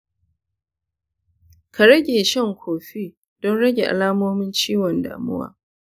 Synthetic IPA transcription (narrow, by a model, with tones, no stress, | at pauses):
kʰa˨ɾɐ˦ɡʲeː˨ʃɛ˦˨ŋkʷʰoː˨ɸiː˦ | d̥ɔ˦nɽɐ˦ɡʲe˨ʔa̰˨laː˦moː˦mɪ˦nt͡ʃiː˦wɔ˨nda̰ː˨mʊ̰˦wa̰ː˦